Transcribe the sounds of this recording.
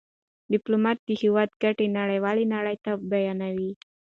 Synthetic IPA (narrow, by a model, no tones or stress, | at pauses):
diplomat̪̚d̪ihiwat̪̚ɡaʈinaɾawalinaɾajt̪abajanawi